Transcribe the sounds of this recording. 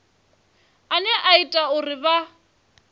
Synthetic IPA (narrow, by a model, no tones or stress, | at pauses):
anɛʔaitʼaʊrɪba